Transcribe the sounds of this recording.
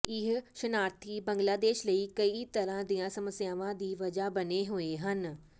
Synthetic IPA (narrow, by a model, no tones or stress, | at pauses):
ɪɦʃənaːɾt̪ʰiːbə̃ŋɡlaːd̪eːʃləiːkəiːt̪əɾãːd̪ijãːsəməsjaːʋãːd̪iːʋɐd͡ʒaːbəneːɦʊeːɦən